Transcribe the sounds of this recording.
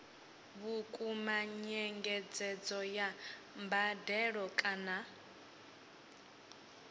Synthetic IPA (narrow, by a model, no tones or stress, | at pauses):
βukʼumaɲɛŋɡɛd͡zɛd͡zɔja | mbadɛɺɔkʼana